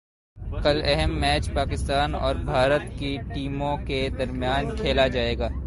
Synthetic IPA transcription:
kɐlɛɦɛmːɛːt͡ʃpaːkɪst̪aːnɔ̰ːɾbʱaːɾət̪kiʈiːmõked̪ɐɾmijaːnkʰeːlad͡ʒaːeːɡaː

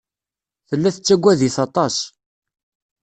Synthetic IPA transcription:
θəlːæθət͡sːæɡʷːæðiθɑt̪ˤɑs

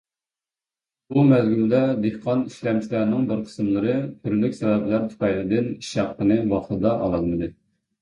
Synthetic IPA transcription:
bumæzɡʲyld̪ɛd̪ehqʰɑniʃlɛmt͡ʃʰilæɾnɪŋbəɾqʰə̥smlˠɨɾɨt̪ʰyɾlykʲsɛvɛblæɾt̪ʰu̥pʰɑjlɪd̪ɪniʃɑqːənɨvɑχlˠɨd̪ɑʔɑlˠɑlˠmɨd̪ɨ

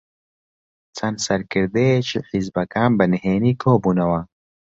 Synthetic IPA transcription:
t͡sɐnsɐɾkɪɾd̪eːt͡ʃeħizbɐkaːmbɐnɦeːnikʰoːbunawa

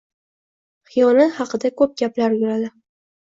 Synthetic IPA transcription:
χɪjɒnɪhɑqɨd̪akʰɵp̚ɡʲaplaɾjʊɾad̪ɪ

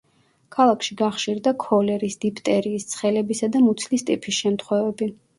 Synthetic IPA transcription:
kʰalˠakʰʃiɡaχʃiɾd̪akʰɔlɛɾisd̪̥ipʰt̪ʼɛɾiːst̪sʰχɛlɛbisad̪amut̪sʰlist̪ʼipʰisʃɛmt̪ʰχwɛvɛbi

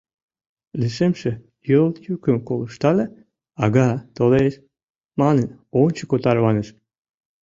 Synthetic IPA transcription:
liʃemʃe | jolt̪jykəmkoləʃt̪ɑle | ɑɣɑt̪oleʃ | mɑnənonʲt͡ɕəkot̪ɑrβɑnəʃ

